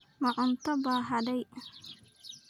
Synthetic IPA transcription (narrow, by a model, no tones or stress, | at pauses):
mɐʕʊnt̪ʰɔbaːɦɐdɛj